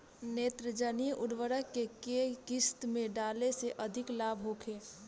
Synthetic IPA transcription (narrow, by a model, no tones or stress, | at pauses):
neːt̪ɾəd͡ʒənijəʔʊɽʋəɾəkːekekɪst̪mẽɖaːleseʔɐd̪ʱɪklaːbʱɦoːkʰeː